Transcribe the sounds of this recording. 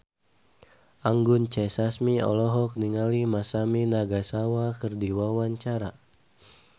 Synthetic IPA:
ʔaŋɡʊnt͡ʃɛsasmiɔ̰lɔɦɔk̚niŋalimasaminaɡasawakɨrdiwawaɲt͡ʃaɾa

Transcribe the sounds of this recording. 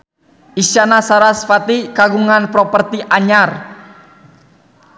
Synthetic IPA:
isanasaɾasfat̪ikaɡuŋanpɾɔpərt̪iʔaɲar

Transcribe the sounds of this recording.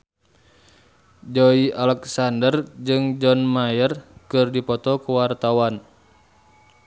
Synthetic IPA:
d͡ʒɔiʔalɛksandərd͡ʒɨŋd͡ʒɔnmajərkɨrdipɔt̪ɔkuwart̪awan

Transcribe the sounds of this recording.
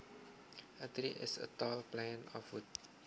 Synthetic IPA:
ʔətɾiʔɪ̰sə̰tɔlplɛ̃nɔ̰fut̚

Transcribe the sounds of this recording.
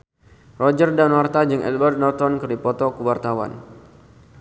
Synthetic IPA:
rɔd͡ʒərdanwart̪ad͡ʒɨŋʔɛ̰lbərt̪̚nɔrt̪ɔnkɨrdipɔt̪ɔkuwart̪awa̰n

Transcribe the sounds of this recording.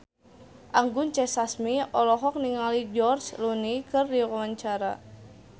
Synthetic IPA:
ʔaŋɡunt͡ʃɛsasmiɔlɔɦɔk̚niŋalid͡ʒɔrt͡ʃlunikɨrdiɔkawaɲt͡ʃaɾa̰

